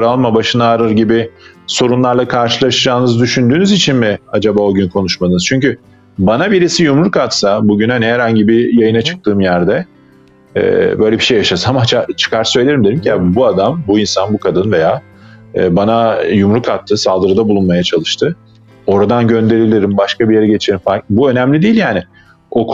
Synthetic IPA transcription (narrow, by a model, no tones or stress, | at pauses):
ɾalˠmabaʃɯnaːɾɯɾɟibɪso̞ɾunlˠaɾlˠakʰaɾʃɯlˠaʃɯd͡ʒaːnɯzd̪yʃynd̪yːnyzit͡ʃʰinmɪad͡ʒabaːo̞ɟynkʰo̞nuʃmad̪ɯnzt͡ʃʰyɲcy | banabiɾisijumɾukat̪sabuɟynaniɦæɾhaɲɟibijajɯnat͡ʃʰɯ̥k̚t̪ʰɯːmjæɾd̪ɛ | ɛ̰bø̞jlʲebiʃe̞jaʃasamat͡ʃat͡ʃʰɯ̥kʰaɾt̪ɯsø̞jlʲe̞ɾimd̪eɾimciabuad̪ambuinsanbukʰad̪ɯnve̞ja̰ː | banajumɾukat̪ʰːɯsalˠd̪ɯɾɯd̪abulˠunmajat͡ʃʰalˠɯʃt̪ʰɯ | o̞ɾad̪anɟø̞nd̪e̞ɾilʲiɾimbaʃkabijeɾɛɟe̞t͡ʃʰeɾimfakbuø̞næmlʲid̪ijilʲjaːnɪ | o̞k